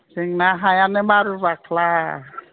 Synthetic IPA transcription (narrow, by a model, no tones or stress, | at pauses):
siŋnaɦajanɛmaɾuβakla